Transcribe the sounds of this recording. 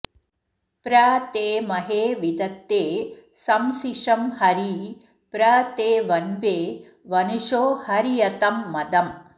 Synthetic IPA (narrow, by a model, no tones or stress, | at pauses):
pɾaːt̪eːmɐɦeːʋid̪ɐt̪ːeːsɐmsiʂɐmhɐɾi | pɾaːt̪eːʋɐnʋeː | ʋɐnuʃoːhɐɾijɐt̪ɐmːɐd̪ɐm